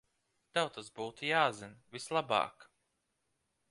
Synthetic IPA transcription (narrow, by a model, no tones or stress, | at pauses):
t̪awt̪azbuːt̪ujaːzinvislˠabɑ̰ːk